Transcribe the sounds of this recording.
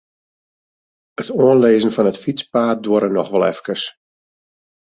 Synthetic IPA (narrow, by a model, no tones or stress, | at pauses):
ətoənleːzənfɔnətfit͡spaːt̚doəɾənɔxʋɔlˠɛ̰fkəs